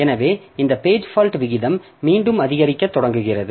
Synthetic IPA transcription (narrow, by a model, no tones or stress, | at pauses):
ɛnɐʋeːɪnd̪ɐpeːd͡ʒfaːlʈʋɪɣɪðɐmː | iːɳɖɯmɐðɪɣɐɾɪkːɐt̪ːɔɽɐŋɡɯɣɪrɐðɯ